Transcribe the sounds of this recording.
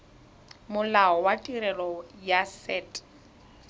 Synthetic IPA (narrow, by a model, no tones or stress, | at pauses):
mʊlaɔwatʼiɾɛlɔjasɛːtʼ